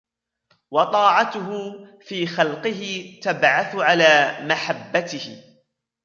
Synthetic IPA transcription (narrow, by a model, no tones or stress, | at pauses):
wɑt̪ˤɑːʕɑt̪ʊɦʊfiːxɑlqɨɦɪt̪abʕaθʊʕalaːmaħabːat̪ɪhɪ